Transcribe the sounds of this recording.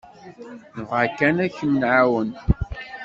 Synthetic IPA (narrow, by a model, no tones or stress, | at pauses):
nəʁakːænæçənːʕawən